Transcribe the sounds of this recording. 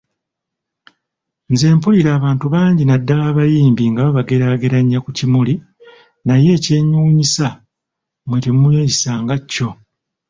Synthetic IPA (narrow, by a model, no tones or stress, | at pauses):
nze̞ːmpuliɾaːβaːntuβaːɲɟinadːalaːβajiːmbiŋɡaβaβaɡe̞ɾaːɡe̞ɾaɲːakucimuli | naje̞ːce̞ːɲuːɲisa | mwe̞temujoisaːŋɡacːo̞